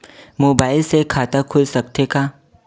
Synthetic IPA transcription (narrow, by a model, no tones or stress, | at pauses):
moːbaːɪlsekʰaːt̪akʰʊlsɐk̚t̪ekaː